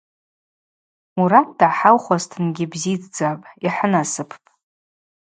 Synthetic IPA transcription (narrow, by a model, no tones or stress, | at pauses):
muɾat̚ʰd̥aʕħawχʷaztʰɨnɡʲɪbzid͡zʼd͡zapʼiħənasɨpʰpʼ